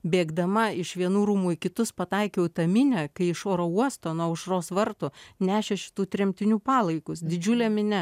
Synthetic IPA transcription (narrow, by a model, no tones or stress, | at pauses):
bʲeːɡd̪ɐmɐɪʃʋʲiɛnuːɾuːmuːɪkʲɪt̪ʊspɐt̪ɐɪkʲɛʊt̪ɐmʲɪnʲɛːkɐɪɪʃoːɾouɔst̪oːnuɔʊʃroːsʋɐɾt̪ʊnʲæːʃʲeʃʲɪ̥t̪uːt̪ʲɾʲɛmʲt̪ʲɪnʲuːpɑːlˠɐɪkʊsd̪ʲɪd͡ʒʲʊlʲɛmʲɪnʲɛ